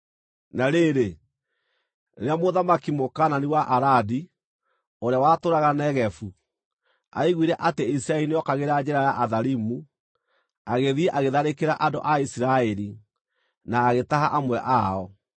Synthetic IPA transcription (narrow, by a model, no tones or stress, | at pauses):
naɾeɾe | ɾeamoðamakimokananiwaʔaɾadi | oɾeawatoɾaɣanɛɣɛfu | a̰iɣwiɾɛʔateisiɾaɛɾineɔkaɣeɾad͡ʑɛɾajaʔaðaɾimu | aɣeðiɛʔaɣeðaɾekeɾaʔadoʔaisiɾaɛɾi | naːɣetaɦaʔamwɛʔaɔ